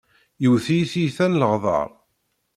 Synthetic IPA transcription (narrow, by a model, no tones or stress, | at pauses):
jəwθijθijθænləʁðˤɑ̰ɾˤ